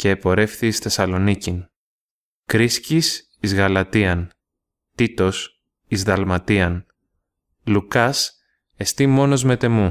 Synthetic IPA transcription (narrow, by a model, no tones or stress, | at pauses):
ce̞ːpo̞ɾe̞fθiːsθe̞sɐlo̞nicin | kɾiscis | izɣɐlɐt̪iɐn | t̪it̪o̞s | izðɐlmɐt̪iɐn | lukɐs | e̞st̪imo̞no̞zme̞t̪e̞mu